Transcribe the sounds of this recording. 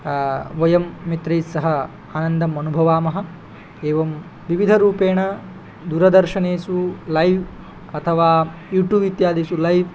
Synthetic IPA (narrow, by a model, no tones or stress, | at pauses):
ʋɐjɐmːit̪ɾɐjsɐɦɐ | aːnɐnd̪ʱɐmɐnubʱɐʋaːmɐɦɐ | eːʋɐm | ʋiʋid̪ʱɐɾuːpeːɳɐ | d̪uːɾɐd̪ɐɾʃɐɳeːsulɐjʋ | ɐt̪ʰɐʋaːjuːʈjuːbit̪jaːd̪ʱisulɐjʋ